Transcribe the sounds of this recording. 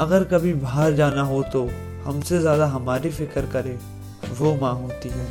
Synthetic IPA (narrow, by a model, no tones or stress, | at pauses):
ɐɡəɾkɐbʱibʱaːəɾd͡ʒaːnaɦot̪o | hɐmsezjaːd̪aɦɐmaːɾifɪkəɾkɐɾẽː | ʋomãːɦoːt̪iɦɛː